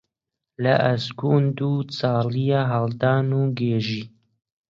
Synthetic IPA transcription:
lɐʔɐsɡund̪ut͡sɑːlijaɦɑld̪ɑːnuːɡeːʒiː

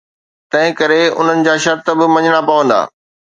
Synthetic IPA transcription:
t̪ɐ̃ɦɪ̃kɐɾeʊ̰n̤ənɪ̆d͡ʑaːʃɐɾt̪əbɪmɐ̃ɲɪɽ̃apɐʋə̃nd̪a̰ː

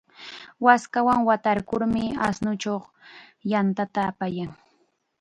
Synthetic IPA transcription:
waskawaŋwat̪aɾkʊɾmɪa̰snʊt͡ʃoχ | jant̪at̪aːpajaŋ

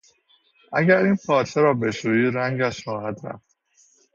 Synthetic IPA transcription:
ʔæɟæɾiːnpʰɒːt͡ʃʰeɾɒːbe̞ʃuːjiːɾæŋɟæʃxɒːhæd̪ɾæ̰ft̪

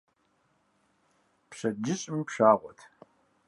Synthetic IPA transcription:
pɕɐd͡ʒɪɕʼɪmpʃaːʁʷɔtʰ

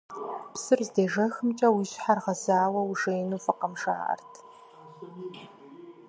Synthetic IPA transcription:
psɨrzdeːʒɐxɨmt͡ʃʼɐwiːɕħarʁɐzaːwɐwʐejnuːfɐqɐmʂa̰ːʔɐ̰rtʰ

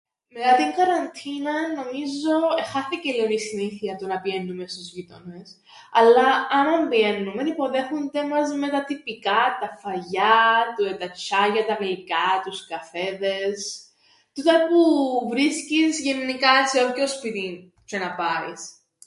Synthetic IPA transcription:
me̞t̪ɐt̪iŋɡɐɾɐnt̪ʰinɐːo̞mizo̞exɐθicelionisiniθiɐt̪unɐpie̞nːumest̪uzʝit̪ones | ɐlːɐɐnɐmbie̞nːume̞nipo̞ðe̞xund̪emɐzme̞t̪ɐt̪ipikɐt̪ɐfɐʝɐt̪uet̪ɐt͡ʃʰɐʝɐt̪ɐmelikɐt̪uskɐfeðe̞s | t̪ut̪ɐpuvɾiscizʝenːikɐseokospit̪in | t͡ʃenɐpɐis

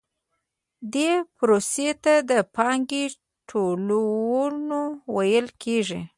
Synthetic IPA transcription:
d̪epɾoset̪ad̪əpɑŋɡi | ʈʰolwnowajəlkʰeʐi

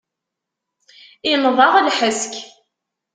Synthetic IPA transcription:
ɪnðˤɑʁlħəsk

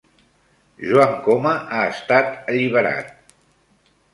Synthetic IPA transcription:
ʒwaŋkoməʔaəst̪at̪əʎiβ̞əɾa̰t̪̚

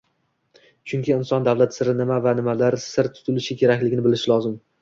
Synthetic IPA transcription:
t͡ʃʰʊŋkʲɪːnsɒnd̪avlat̪sɪɾɪnɪmavanɪmalaɾsɪɾt̪ʰʊ̥t̪ʰʊlɪʃɪkʲʰe̞ɾakʲlɪɡʲɪnɪbɪlɪʃɪlˠɒzɪm

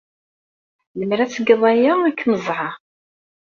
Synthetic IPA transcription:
ləmɾæt͡sːəɡəðˤæjaækːnəzˤʕɑ

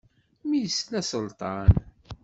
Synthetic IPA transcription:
mijəsnæsəlt̪ˤɑn

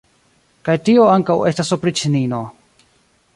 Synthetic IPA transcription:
kajtioaŋkawe̞stasopɾit͡ʃinino

